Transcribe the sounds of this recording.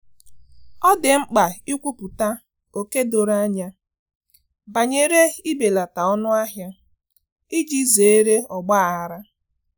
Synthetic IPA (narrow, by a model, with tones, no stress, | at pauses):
ɔ˦dɪ˨ŋ͡m̩˦k͡pa˨i˦kʷu˦pʊ˨ta˦ | o˨ke˦do˨ɾa˦ɲa˦ | ba˨ɲe˦ɾe˦i˦be˨la˨ta˨ɔ˦nʊ˦a˦ɦja˦ | i˦d͡ʒi˦ze˨e˦ɾe˦ɔ˨ɡ͡ba˦˨a˦ɾa˦